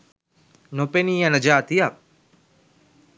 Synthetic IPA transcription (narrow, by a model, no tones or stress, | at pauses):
nopenijãnəd͡ʒaːt̪ijap̚